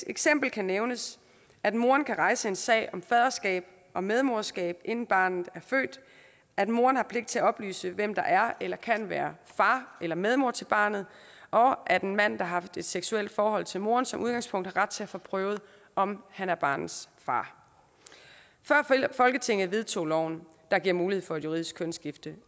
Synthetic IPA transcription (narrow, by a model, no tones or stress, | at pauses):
eɡ̥sem̰b̥l̩kʰæneʊnəs | æd̥mo̝ːɐnkʰæʁɑ̈ɪsəe̝nsɛ̰ːɪɒ̽mfɛðˠɐsɡ̥ɛ̰ːb̥ | ɒ̽með̞ˠmoɐsɡ̥ɛ̰ːb̥̚ʔe̝n̰n̩b̥ɑ̰̈ːnð̩ˠæɐfø̰ːd̥ | æd̥mo̝ːɐnhɑ̈pʰleɡ̥̚d̥̚t͡sʰe̝æɒ̽b̥ly̰ːsəʋem̰d̥ɑ̈ʔæɐelɐkʰæn̰ʋæːɐfɑ̈ːelɐmeð̞ˠmo̝ɐ̰t͡sʰe̝lb̥ɑ̰̈ːnð̞̩ˠ | ʔɒ̽ʔæd̥e̝nmæn̰d̥ɑ̈ɦɑ̈fd̥e̝d̥seɡ̥suel̰d̥fɒːhɒ̽l̰t͡sʰe̝lmo̝ːɐnsɒ̽mʔuðˠɡɑ̈ŋspʰɔ̽ŋ̰d̥hɑ̈ʁad̥̚t͡sʰe̝æfɒpʰʁœːʊð̞̩ˠ | ɒ̽mhænæɐb̥ɑ̰̈ːnð̩ˠsfɑ̰̈ː | fɶɐ̰fɒ̽lɡ̥ət͡sʰe̝ŋ̰ð̞̩ˠʋe̝ð̞ˠt͡sʰo̝̰ːlɒʊ̰n | d̥ɑ̈ɡ̥iɐ̰muːlihe̝fɒæd̥juʁið̰ˠisɡ̥kʰːønsɡ̥ifd̥ə